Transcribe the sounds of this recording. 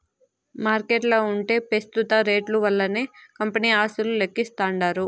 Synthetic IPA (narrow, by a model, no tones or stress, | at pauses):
maːɾkeːʈloːuɳʈe̞ːpest̪ut̪ɐɾe̞ːʈluʋɐlːɐneːkɐmpɐniːaːsululekːist̪aːɳɖaːɾu